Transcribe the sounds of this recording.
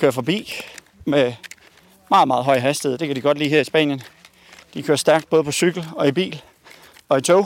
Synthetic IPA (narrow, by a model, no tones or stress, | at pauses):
kʰøɐfɒ̽b̥ḭː | me | mɑ̈ːð̩ˠmɑ̈ːð̩ˠɦɒ̽ɪɦæsd̥iðˠd̥e̝kʰæd̥iɡ̥ɒ̽d̥lḭːɦɛɐisb̥ɛ̰ːnjən | d̥ikʰøːɐsd̥æɐɡ̥d̥̚b̥ɔð̩ˠpʰɒ̽syɡ̥l̩ɒ̽ib̥ḭːl | ɒ̽it͡sʰɔʊ